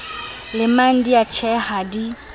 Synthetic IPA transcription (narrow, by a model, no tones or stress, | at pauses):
lɪman̩diat͡ʃʰɛhadi